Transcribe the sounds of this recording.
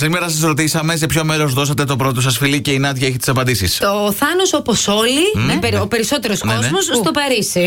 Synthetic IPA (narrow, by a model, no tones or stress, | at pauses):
simeɾɐs̬ɐsɾo̞t̪isɐme̞s̬e̞pço̞me̞ɾozðo̞sɐt̪e̞t̪o̞pɾo̞t̪o̞sɐsfilice̞inɐt̪ʝɐeçit̪i̥sɐpɐnd̪isist̪oθɐnoso̞poso̞lineeɾope̞ɾiso̞t̪e̞ɾoskozmosst̪o̞pɐɾisi